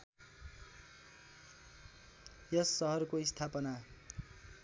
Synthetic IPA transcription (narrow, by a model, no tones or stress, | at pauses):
jʌsːʌɦʌrkoist̪ʰapʌna